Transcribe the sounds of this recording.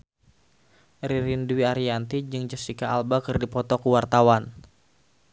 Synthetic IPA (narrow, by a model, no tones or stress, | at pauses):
ɾiɾindwiaɾiant̪id͡ʒɨŋd͡ʒəsikaːlbakɨrdipɔt̪ɔkuwart̪awan